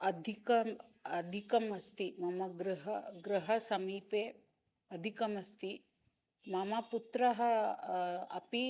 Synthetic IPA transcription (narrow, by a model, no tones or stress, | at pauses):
ɐd̪ʱikɐɐd̪ʱikɐmɐst̪imɐmɐɡɾɐɦɐɡɾɐɦɐsɐmiːpeː | ɐd̪ʱikɐmɐst̪i | mɐmɐput̪ɾɐɦɐ | ɐ̰pi